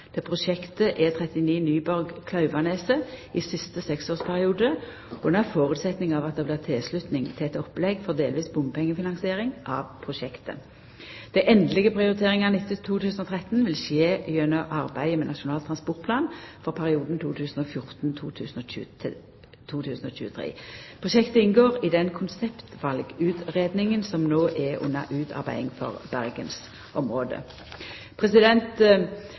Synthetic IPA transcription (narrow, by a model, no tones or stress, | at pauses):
d̪̥ɛpʰʁʊʃɛkt̪əʔɛt̪ʰʁɛt̪ɪniːnyːbɔɾɡkʰlɑʉʋɑneːsəɪsɪst̪əsɛksoːʁspʰæɾɪuːd̪ə | ɔd̪ɛnæʁfoːʁʉt̪sɛt̪nɪŋɑʋɑt̪̚d̪ɛːblɪːʁt̪ʰɪlslʉt̪nɪŋt̪ʰɪlɛt̪ɔplɛɡfɔʁd̪eːlʋiːsbʊmpʰɛŋːəfɪnɑŋsɪeːɾɪŋʔɑ̰ʋpʰʁʊʃɛkt̪ə̰ | d̪̥æɪʔɛnd̪əlɪɡəpʰɾɪʊʁɪt̪ʰeːʁɪŋɑnɪt̪ːɪt̪ʰːuːt̪ʰʉːsən̩ɔt̪ʰʁɛt̪nʋɪlʃeːjœnəʔɑʁbæɪmɛnɑʃʊnɑːlt̪ʰʁɑnspɔʁt̪̚pʰlɑːnfɔʁpʰæʁɪuːd̪n̩t̪ʰuːt̪ʰʉːsn̩ɔfjʊʁt̪nt̪ʰuːt̪ʰʉ̰ːsn̩oːʉ | t̪ʰuːt̪ʰʉːsn̩oːɕʉ̰ːət̪ʰʁḛːpʰʁʊʃɛkt̪əɪnɡoːʁɪd̪ɛnkʰʊnsɛpt̪ʋɑlɡʉːt̪ʁeːd̪nɪŋənsɔmnoːʔɛʊ̰nːɑ̰ʔʉːt̪ʰɑ̰ʁbæ̰ɪɪŋfɔ̰ʁb̥æʁɡəns | ʔɔmʁoːd̪ə̰ | pʰʁɛsɪd̪ɛnt̪